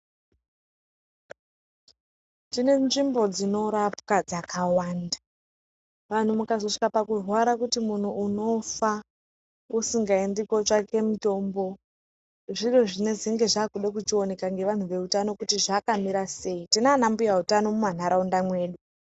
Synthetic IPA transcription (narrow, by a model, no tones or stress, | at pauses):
tine̞nʐimbo̞d͡zino̞ɾapkad͡zakʰawaːnda | ʋan̤umukazo̞ʂi̥kapakurwaɾakutimun̤uuno̞fa | usiŋɡaendikot͡ʃake̞muto̞ːmbo̞ | ʐiro̞ʐine̞ziŋɡe̞ʐaːkuɗak̬ut͡ʃio̞ne̞kaŋɡe̞ʋan̤uʋe̞utano̞kutiʐakamiɾase̞itinanambujautano̞muman̤aɾaundamwe̞ːɗu